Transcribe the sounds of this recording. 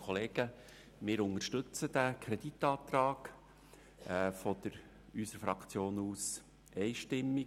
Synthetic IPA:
ɔleːɡ̥ə | mɪːɾʊŋəɾʃtɵt͡səd̥̪ækʰɾɛd̥̪it̪ːɑːt̪ɾɑːɡ̥ | fɔd̪̥əɾ | ysəɾfɾɑkt͡sjoːnuːs | ʔɛɪʃtɪmːi

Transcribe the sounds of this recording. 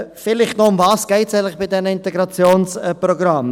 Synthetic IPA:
fɪlɪχtnoʊmvɑːsɡ̥ɛɪtsɛɪŋlɪχb̥ɪdɛnəɪntɛɡɾɑt͡sjoːnsɛpɾoɡɾɑm

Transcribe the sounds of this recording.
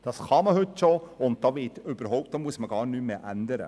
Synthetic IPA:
d̥ɑsχɑməhɵtːʃoʊnt̚d̥ɑːʋɪtʏb̥əɾɦɔʊp̚t̚dɑːmuəsməɡ̥ɑːɾnymeːʔænd̪əɾə̰

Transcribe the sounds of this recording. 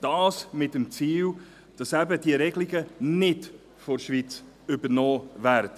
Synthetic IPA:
d̥ɑːsmɪtəmt͡siːl | d̥ɑsæbəd̥iəɾɛɡliɡənɪd | fɔɾʃvit͡s | ʏbəɾnɔːvæɾdə

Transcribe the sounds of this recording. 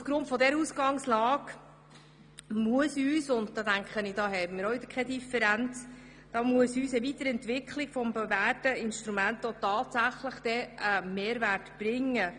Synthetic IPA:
ufɡ̥ɾʊntfɔdɛɾəusɡɑŋslɑːɡ | muəsyːsʊndd̥̪ɑːdæŋkχənɪd̥ɑːɦɛjmɪɾoɪd̪əkʰɛdifɛɾænt͡s | d̥ɑːmuəsyːsəvit̪əɾɛntʋɪkʰχlɪkfɔmbəvæːtəɪnʃt̪ɾumæntɔtɑːtsæχləχd̥ɛəmeːɾværtb̥ɾɪŋːə

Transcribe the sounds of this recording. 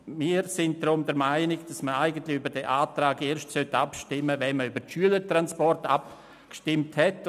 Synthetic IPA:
miːɾsɪnt̚dɾʊmdɛɾmaɪnɪɡd̥asməaɪɡən̩tlɪybəɾdɛʔaːtɾaːɡeːɾʃtsœtapʃtɪmːəvɛnməybəɾʃyələtɾanspɔrta̰p̚ | kʃtɪmthɛt

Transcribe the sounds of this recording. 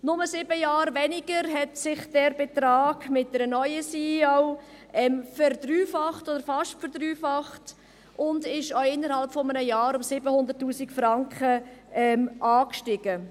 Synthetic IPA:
nʊməsɪbəjɑːɾvɛnɪɡəɾɦɛtsɪχd̥ɛɾbet̪ɾaːɡ̥mɪt̚dəɾənɔʏəsiːɔʊɛmfɛrd̪ryːfɑχtodəɾfɑʃtfəɾd̥ɾyːfɑχt | ʊndɪʃɔʊɪnːəɾhɑlpfɔmənəjɑːɾʊmsɪbəhʊnd̪əɾtːuːsikfɾɑŋkχəɛmʔɑːkʃtɪɡ̥ə

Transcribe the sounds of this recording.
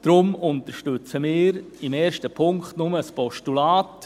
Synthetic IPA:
d̥ɾʊmʊntəɾʃtʏt͡səmɪːɾ | ɪmeːɾʃtəpʰʊŋkχtnʊməspɔʃtulaːt

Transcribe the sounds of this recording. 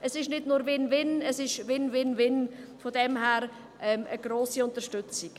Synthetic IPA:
ʔəsɪʃnɪdnʊːɾvɪnvɪnəsɪʃʋɪnvɪnvɪnfodɛmhæːɾ | ʔɛmʔəɡ̥ɾoːsiʊntəʃtʏt͡sik

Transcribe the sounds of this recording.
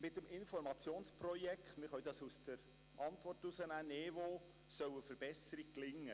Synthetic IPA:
mɪtːəmɪnfɔɾmɑt͡sjoːnsprɔjɛkχtmɪχœɥdɑsusdəɾ | ʔɑnt̪ʋɔrtusənæːneːvoː | sœwəfəɾb̥ɛsəɾik̚klɪŋːə

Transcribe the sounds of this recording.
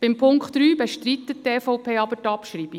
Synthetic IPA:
b̥ɪmpʰʊŋkχtːɾyːbeʃtɾit̪ːətteːfɔʊpʰeːɑbətɑpʃɾiːb̥i

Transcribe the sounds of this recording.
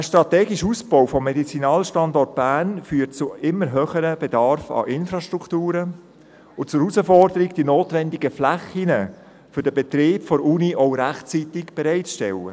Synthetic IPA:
əʃtɾɑt̪ɛːɡiʃusb̥ɔwfɔmːɛdit͡sinɑːlʃtɑndɔrt̚b̥æːnfyːtt͡sʊɪmːəɾɦøːχəɾəb̥ɛdɑɾfɑ̰ʔɪnfɾɑʃtɾukʰtuːɾə | ʊt͡sʊɾusəfɔrdəɾiɡd̥inoːtʋɛndɪɡəflæχinə | fʏɾdəbɛt̪ɾeːpfɔɾuniʔɔʊɾæχt͡sit̪ɪɡb̥ɛɾɛɪtt͡sʃtɛ̰lə̰

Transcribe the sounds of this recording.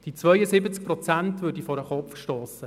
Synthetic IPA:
d̥it͡sʋœʏəsɪbət͡sk̚pɾɔt͡sæntʋʏːdifɔɾəχɔpfʃtoːsə

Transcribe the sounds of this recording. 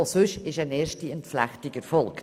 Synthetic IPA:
sʉʃɪʃɛɪneːɾʃtiɛntflæ̰χtɪɡəɾfɔlk

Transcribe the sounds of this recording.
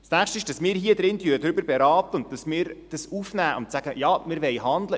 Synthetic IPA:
snæχʃtəɪʃd̥ɑsmɪːɾɦiəd̪ɾɪntyədɾʏbəɾbeɾɑːt̪əʊnt̚d̥ɑsmɪːɾd̥ɑsufnæːʔʊ̰ntsæɡ̥əjɑːmɪɾʋɛjhɑnd̪lə

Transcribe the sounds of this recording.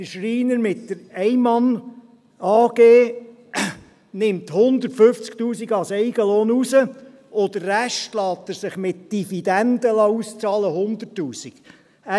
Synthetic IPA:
əʃriːnəɾmɪtd̥əɾɛɪmɑn | ɑːɡ̥eː | nɪmthʊnd̪ərtføft͡sktuːsiɡɑsɛɪɡəloːnusə | od̪ərːæʃtlɑːt̪ːəɾsɪχmɪt̚d̥ifid̪ænd̪əlɑust͡sɑːləhʊnd̪ətːuːsiɡ̥ | æ

